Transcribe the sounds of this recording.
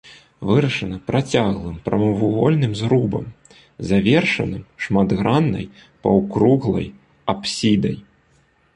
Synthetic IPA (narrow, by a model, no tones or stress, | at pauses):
vɨɾɐʂɐnɐpɾat͡sʲaɣlˠɨmpɾɐmɨvuɣɔ̰lʲnɨmzɾubɐ̰m | zavʲɛrʂɐ̰nɨmʂmad̪ɣɾanːɐ̰j | pɐwkɾuɣlˠɐ̰j | apsʲid̪ɐj